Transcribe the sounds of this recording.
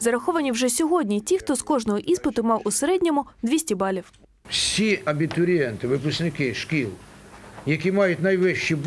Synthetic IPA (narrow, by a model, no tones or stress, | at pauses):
zɐɾɐxɔʋɐnʲiwʒɛsʲɔɦɔdʲnʲitʲixt̪ɔskɔʒnɔɦɔʔispɪt̪ʊmɑwʔʊseɾɛdʲnʲɔmʊd̪ʋʲisʲtʲibɑlʲiw | wsʲiɐbʲit̪ʊɾʲijɛnt̪ɪʋɪpʊsknɪkɪʃkʲilˠjɐkʲimɑjʊtʲnɐjʋɪʃt͡ʃib